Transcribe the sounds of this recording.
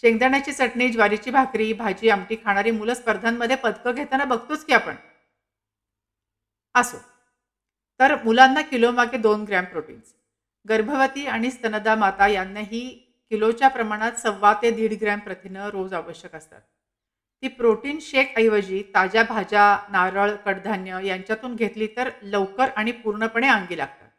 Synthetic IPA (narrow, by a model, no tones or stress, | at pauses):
ɕeŋɡd̪əɳjat͡ɕiːt͡səʈɳiːd͡ʑʋaɾit͡ɕiːbʱakɾiːbʱad͡ʑiːamʈiːkʰaɽ̃aɾiːmuləspəɾd̪ʱanːəd̪ʱːjepəd̪ʱkəɡʱet̪anabəɡ̚ʱt̪ot͡skiapə̰ɳ | əso̰ | t̪əɾmulanːakilomaɡed̪onɡɾampɾoʈḭːns | ɡəɾbʱəʋət̪iːaɽ̃ist̪ənəd̪amat̪ajanːaɦiː | kilot͡ɕjapɾəmaɽ̃at̪səʋːat̪ed̪iːɽɡɾæmpɾət̪ʰinəɾod͡zaʋəɕjəkəst̪a̰t̪̚ː | iːpɾoʈiːnɕekʰəjʋəd͡ʑiːt̪ad͡ʑjabʱad͡ʑanaɾəɭkəɽd̪ʱanjəjaɲt͡ɕjat̪uːnɡʱet̪liːt̪əɾləʋkəɾaɽ̃ipuɾɳəpəɳ̃eãŋɡiːla̰ɡ̚t̪a̰t̪̚